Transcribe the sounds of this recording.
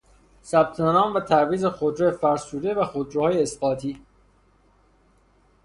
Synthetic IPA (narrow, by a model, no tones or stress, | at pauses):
sæb̥̚t̪ʰenɒːmvæt̪ʰæɾviːzexod̪ɾejefæɾsuːd̪e̞væxod̪ɾehɒːjeːsɢ̥ɒːt̪ʰiː